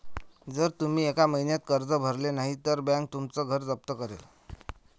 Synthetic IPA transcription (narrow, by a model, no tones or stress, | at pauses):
d͡zəɾt̪um̤iːekaməɦinjat̪̚kəɾd͡zəbʱəɾlenaɦit̪əɾbãŋk̚t̪umt͡səɡʱəɾd͡zəp̚t̪əkəɾel